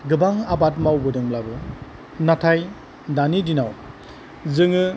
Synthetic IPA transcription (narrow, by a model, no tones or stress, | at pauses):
ɡɯbaŋabat̚mawbɯdɯŋblabɯ | natʰaj | danidinaw | zɯŋɯ